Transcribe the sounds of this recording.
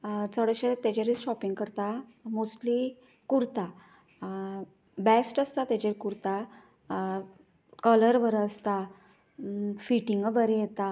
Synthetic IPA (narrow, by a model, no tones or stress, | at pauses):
səɽəɕəɾt̪ːat͡ɕaɾiɔpiŋɡkəɾt̪amosʈli | kuɾt̪a | bɛsʈəst̪at̪at͡ɕeɾkuɾt̪a | kələɾʋəɾəst̪a | fiʈiŋɡəbəɾɛjet̪a